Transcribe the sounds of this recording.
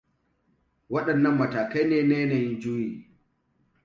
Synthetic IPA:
wɐ˦ɗɐ˨nːɐ˦mːɐ˨taː˨kɐ˦jneː˨neː˦na˨jɪ˦nd͡ʒuː˦jiː˨

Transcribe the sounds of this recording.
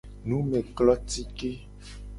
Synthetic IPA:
nũ˨˦me˨klɔ˦t̪i˦ke˦

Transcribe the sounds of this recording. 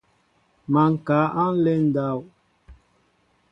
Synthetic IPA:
ma˨ŋ̩˨ka˨˦ʔa˦n̩˦le˦n̩˦da˦˨w

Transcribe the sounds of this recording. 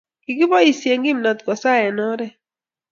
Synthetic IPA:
ki˨ɡɪ˦bɔ˦i˨sje˨ŋɡi˦mnɔ˨t̪ɡɔ˨sa˦jɛ˨nɔ˦ɾɛ˦

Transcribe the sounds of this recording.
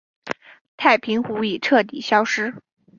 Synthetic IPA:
t̪ʰa˥˩ɪpʰi˧˥ŋxu˧˥i˨˩ʈ͡ʂʰɤ˥˩t̪̬i˨˩ɕjɑ˥ʊʂɻ̩˥

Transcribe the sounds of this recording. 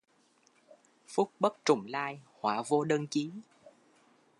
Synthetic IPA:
fʊ˦˥k͡p̚ɓə˦˥k̚t͡ɕʊ˨˩ŋ͡mlaː˧jhwaː˧˩vo˧ɗə˧nt͡ɕi˨˦

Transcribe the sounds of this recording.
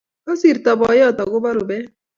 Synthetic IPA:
ɔ˦si˨ɾt̪a˨bɔ˨˦jɔ˦t̪ɔ˨ɡʊ˦ba˦ɾʊ˨bɛ˦

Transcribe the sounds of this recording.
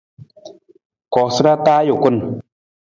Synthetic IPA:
kɔ˨sɨ˦ɾa˦t̪aː˦jo˨ku˦n

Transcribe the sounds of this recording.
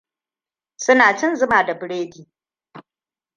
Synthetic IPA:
sʊ˦naː˨t͡ʃɪ˦nzʊ˦maː˨da˨bɪ˨ɽeː˦diː˨

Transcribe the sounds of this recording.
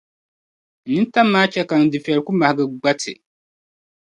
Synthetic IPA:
n̩˨nɨ˦n˦ta˦mːaː˦t͡ʃɛ˦ka˨n̩˨dɨ˨fi˨ɛ˨lku˦ma˨hɪ˨ɡɨ˦ɡ͡ba˦tʰɨ̰˨

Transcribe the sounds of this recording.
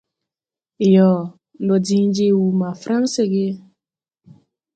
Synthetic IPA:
jɔ˨˦ | bɔ˨di˨ŋ̩˦d͡ʒe˦˨wu˨ma˨fɾa˦n̩˦sɪ˦ɡɪ˦

